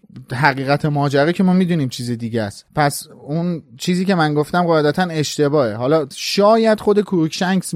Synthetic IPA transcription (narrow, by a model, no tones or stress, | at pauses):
ɦæɣiːɣæt̪ʰe̞mɒːd͡ʒæɾicʰe̞mɒːmid̪uniːmt͡ʃʰiːzed̪iːɟæspʰæs | unt͡ʃʰiːziːce̞mænɡo̞ft̪æmɢɒed̪æt̪ʰæne̞ʃt̪e̞bɒːe̞ɦɒːlɒːʃɒːjæd̪̥χod̪e̞kʰuɾucʰʃæŋɡz